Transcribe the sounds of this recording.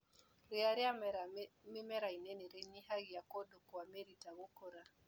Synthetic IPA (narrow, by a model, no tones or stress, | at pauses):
ɾeaɾia | mimɛɾainɛnɛɾeɲihaɣiakodokuameɾitaɣokoɾa